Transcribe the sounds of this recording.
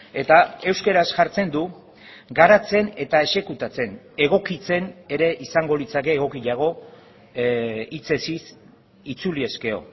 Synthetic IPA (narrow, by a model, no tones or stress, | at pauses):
e̞t̪ae̞wskeɾasʝaɾt͡se̞nd̪u | ɡaɾat͡se̞ne̞t̪ae̞se̞kut̪at͡se̞n | eɣ̞o̞kit͡se̞ne̞ɾe̞ʔisaŋɡo̞lit͡sake̞ːɣo̞kiʎaɣ̞o̞ | it͡se̞sis | it͡sulie̞ske̞o̞̰